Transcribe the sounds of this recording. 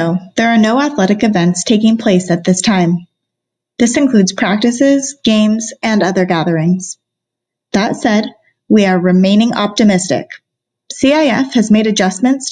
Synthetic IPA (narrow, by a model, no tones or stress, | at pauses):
oʊðə˞ːnoʊæθlɛɾɨkɨvɛ̃ntstʰeɪkɪ̃ŋpʰl̥eɪsɨt̪̚ðɪstʰãɪ̃m | ðɪsɨ̃nkʰl̥ʉdz̥pʰɹ̥æk̚tɨsɪzɡ̥ẽɪ̃mzɨ̃nʌðə˞ɡæðə˞ɪ̃ŋz̥ | ðətsɛd̚ | wiə˞ɹɨmẽɪ̃nɪ̃ŋɑp̚tɨmɪstɪ̰k | siaɪɛfhɨzmeɪɾɨd͡ʒʌs̚mɨ̃nts